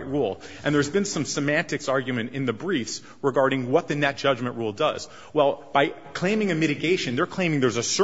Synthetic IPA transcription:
ʔ̚ɹulˠ | ʔɨ̃nðə˞zbɨ̃nsʌ̃msɨmæ̃ntɨksɑɹɡjɨmɨ̃ntɨ̃nðɨbɹifs | ɹɨɡɑɹɾɪ̃ŋwʌt̪̚ðɨnɛt̚d̥ʒ̥ʌd͡ʒmɨ̃nʔɹulˠdʌ̰z̥ | wɛlˠb̥aɪ | kʰl̥ẽɪ̃mɪ̃ŋɨmɪɾɨɡeɪʃɨ̃nðə˞kʰl̥ẽɪ̃mɪ̃ŋðə˞zəsɜ

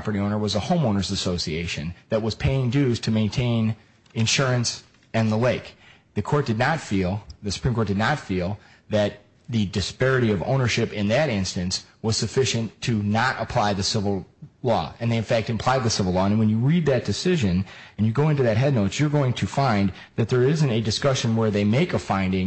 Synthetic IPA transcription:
pə˞ɾiõʊnə˞wʌzəhõʊ̃mõʊ̃nə˞zɨsoʊsieɪʃɨ̰̃nðɨt̚wʌz̥pʰeɪɪ̃ŋdʉz̥tʰɨmẽɪ̃ntʰẽɪ̃n | ɨ̃nʃʊɹɨ̃ns | ɨ̃nðəleɪk | ðɨkʰɔɹt̚d̥ɨdⁿnətfilˠðɨsə̥pʰɹ̥ĩmkʰɔɹt̚d̥ɨdⁿnətfilˠ | ðɨt̪̚ | ðɨdɨspɛɹɨɾiʌvõ̰ʊ̃nə˞ʃɪpɪ̃nðɨɾɪ̃nstɨ̃nswʌz̥sɨfɪʃɨ̃ntʰɨnəɾəpʰl̥aɪðɨsɪvl̩ˠlɔ̰ɨ̃nðeɪɨ̃nfæk̚tɨ̃mpʰl̥aɪd̪̚ðɨsɪvl̩ˠlɔə̃ñwɨ̃njɨɹid̪̚ðɨt̚d̥ɨsɪʒɨ̃nɨ̃n̩jɨɡoʊɪ̃ntʉðɨt̚ɦɛdⁿnoʊt͡ʃsə˞ɡoʊɪ̃ŋtʰɨfãɪ̃n | ðɨt̪̚ðə˞ɪzɨ̃ntɨdɨskʌʃɨ̃nwə˞ðeɪmeɪkəfãɪ̃ndɪ̃ŋ

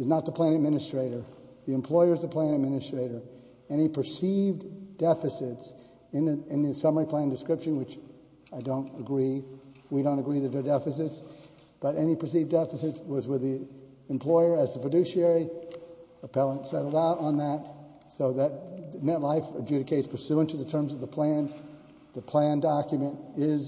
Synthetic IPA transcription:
ɨznət̪̚ðəpʰl̥æ̃nɨd̚mɪ̃ñɨstɹ̥eɪɾə˞ | ðiɨ̃mpʰl̥ɔɪə˞zðəpʰl̥æ̃ñɨd̚mɪnɨstɹ̥eɪɾə˞ | ɛñipʰə˞sivd̥ɛfɨsɪts | ɨ̃nðɨɪ̃nðɨsʌmə˞ipʰl̥æ̃ndɨskɹɪpʃɨ̃nwɨt͡ʃ | aɪdõʊ̃ntəɡɹiwiɾõʊ̃ñtɨɡɹiðɨt̪̚ðə˞dɛfɨsɨts | b̥ʌɾɛñipʰə˞s̬ivdɛfɨsɨtwʌzwəði | ɨ̃mpʰl̥ɔɪə˞ɨzəfɨdʉʃiɛɹi | əpʰɛlˠə̃ntsɛɾl̩ˠdaʊɾn̩ðət̚ | soʊðɨt̚nɛtˡlaɪfəd͡ʒʉɾɨkʰeɪtspʰə˞sʉɨ̃ntʰɨðɨtʰɜ̃˞mzʌvðəpʰl̥æ̃n | ðɨpʰl̥æ̃ndɑkjɨmɨ̃nɪz

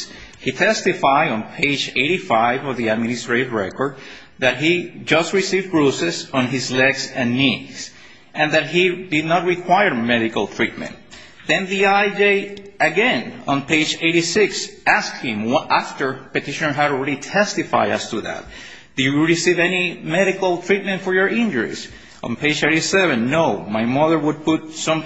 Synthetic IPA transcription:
s | hitʰɛst̪ɨfaɪɾɔ̃npʰeɪd͡ʒeɾifaɪvʌvðiɨd̪̚mɪ̃nistɹeɾɨvɹɛkɔɹd̪̚ | ðæt̚hid͡ʒʌst̚ɹisivbɹusɛsɔ̃nɦɪslɛɡsɨ̃nːis | ɨ̃nðæt̚hidɨdⁿnət̚ɹikʰwajə˞mɛðikalˠt̪ʰɹit̪̚mɨ̰̃n | ðɛ̃nðiajd͡ʒeɪɨɡɛ̃nə̰̃npeɪd͡ʒeɪɾisɪksæsk̚t̚hɪ̃mwʔæftə˞pɨtiʃɔ̃nə˞ɦæɾɔlˠɹɛɾitʰɛstɨfa̰jɾæ̰stuðæ̰t̪̚ | d̪̥ujuuɹisivɛnimɛɾikəlˠt̪ʰɹit̚mɨ̃ntfɔɹjɔ˞ʔɪ̃nd͡ʒə˞ḭs | ə̰̃npeɪd͡ʒeɾisɛvɨ̃nːoʊmajmʌðə˞wʊd̪̚pʰut̪sʌ̃m

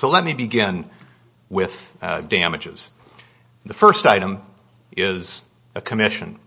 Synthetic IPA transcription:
soʊlɛt̚mibɨɡɪ̃n | wɪð̥dæmɨd͡ʒɨ̰z̥ | ðɨfɜ˞staɪɾə̃m | ɪz | ɨkʰɨmɪʃɨ̰̃n

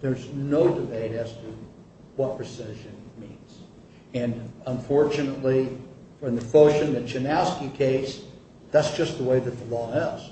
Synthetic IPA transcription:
ðə˞znoʊdɨbeɪɾæz̥tʰɨ | wʌt̚pʰɹ̥ɨsɪʃɨ̃nmĩnz̥ | ɨ̃nə̃ɱfɔɹt͡ʃɨnətˡli | fʌ̃mðɨfoʊʃɨ̃nðɨt͡ʃɨnæskikʰeɪs | ðætsd̥ʒ̥ʌst̪̚ðəweɪðɨt̪̚ðəlɔɪz̥

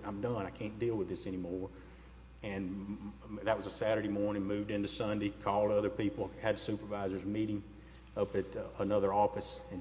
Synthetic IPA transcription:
ãɪ̃mdʌ̃naɪkʰæ̃nd̥ilˠwəðɪsɛñimɔɹ | ɨ̃n | ðɨt̚wʌzəsæɾə˞ɾeɪmɔɹnɪ̃ŋmʉvdɨ̃nðɨsʌ̃ndeɪkʰɔlˠdʌðə˞pʰipl̩ˠɨdsʉpə˞vaɪzə˞zmiɾɪ̃ŋ | ʌpɨɾənʌðə˞ɔfɨsɨ̃

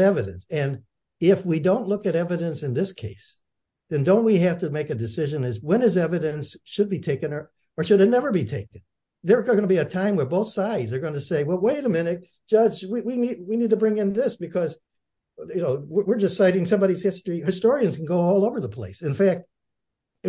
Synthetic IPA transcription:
ɛvɨɾɨ̰̃nsɨ̃n | ɪfwidõʊ̃nʔˡlʊkɨɾɛvɨɾɨ̃nsɨ̃nðɪskʰeɪs | ðɨ̃ndõʊ̃nʔ̚wiɦæftɨmeɪkɨdɨsɪʒɨ̃nɨzwɨ̃nɨzɛvɨɾɨ̃nsʃɨd̚bitʰeɪkɨ̃nə˞ | ə˞ʃɨɾɨtⁿnɛvə˞bitʰeɪkɨ̃n | ðə˞ɡnəbiɨtʰãɪ̃mwə˞boʊθsaɪdzə˞ɡoʊɪ̃ntɨseɪwɛlˠweɪɾɨmɪ̃nɨt̚ | d̥ʒ̥ʌd͡ʒwiwinid̚winid̚tɨbɹɪ̃ŋɨ̃nðɪsb̥ɨkʰʌz | jɨnoʊwɪwɪɹd͡ʒʌstsaɪɾɪ̃ŋsʌ̃mbɑɾiz̥hɪstɹ̥iɦɨstɔɹiɨ̃nz̥kʰn̩ɡoʊɔlˠoʊvə˞ðəpʰl̥eɪsɨ̃nfæk̚t̚

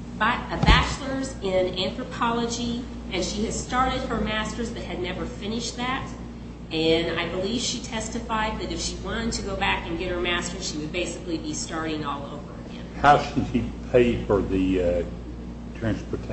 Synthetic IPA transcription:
b̥aɨbæt͡ʃl̩ˠə˞zɪ̃næ̃nθɹəpʰɑlˠəd͡ʒi | ɨ̃nʃiɨd̥stɑɹɾɨd̚ə˞mæstə˞zbʌt̚hɨdⁿnɛvə˞fɪ̃nɨʃðɨɾ | ɨ̃na̰ɪbəliv̥ʃitʰɛstɨfaɪd̪̚ðɨɾɨfʃiwɑ̃ɾ̃ɨd̚tʰɨɡoʊbækɨ̃nɡɛt̚hə˞mæstə˞z̥ʃiwɨd̚beɪsɨklibistɑɹɾɪ̃ŋɔlˠo̰ʊvə˞ɨɡɛ̰̃nhaʊʃɨd̚hipʰeɪfə˞ðɨ | tʰɹ̥æ̃nspə˞tʰ

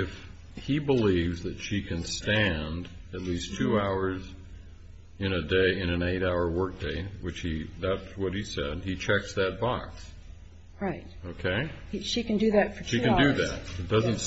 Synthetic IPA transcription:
ɨf | hibəlivzðɨtʃikʰɨ̃nstæ̃ndɨtˡlistʰʉaʊə˞z | ɨ̃ñɨdeɪɨ̃nɨ̃neɪɾaʊə˞wɜ˞k̚d̥eɪwɨt͡ʃhiðætswʌt̚hisɛ̰d̚it͡ʃʰɛksðɨt̚b̥ɑ̰ks | ɹaɪt̚oʊkʰeɪiʃikɨ̃n̩dɨðɨtfə˞ʃikɨ̃ndɨðæ̰t̚ɨd̥ʌzɨ̃nts

